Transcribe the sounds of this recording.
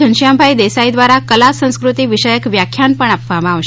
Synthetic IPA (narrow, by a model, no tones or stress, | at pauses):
ənʃjambʱajd̪esaid̪ʋaɾakəlasə̃ñskɾut̪iʋiʃəjəkʋjakʰjanpəɳ̃apʋamãaʋʃ